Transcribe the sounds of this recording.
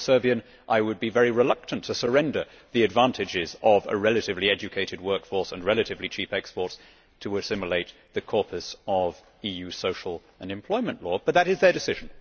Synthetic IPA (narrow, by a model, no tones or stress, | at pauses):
sɜ˞biɨ̃n | ʔaɪwɨd̚bivɛɹiɹɨlʌk̚tʰɨ̃ntʰɨsə˞ɛ̃ndə˞ | ðiɨdvæ̃ntʰɨd͡ʒɪzʌvə̰ɹɛlˠɨɾɨvliɛd͡ʒɨkʰeɪɾɨd̚wɜ˞kfɔɹsə̰̃nɹɛlˠɨɾɨvlit͡ʃʰipɛkspɔɹts | tʰəɨsɪ̃mjəleɪt̪̚ | ðɨkʰɔɹpʰɨsʌv | ijʉsoʊʃl̩ˠ | ə̃nɨ̃mpʰl̥ɔɪmɨ̃nʔlɔb̥ʌt̪̚ðɨɾɨzðə˞dɨsɪʒ̃n̩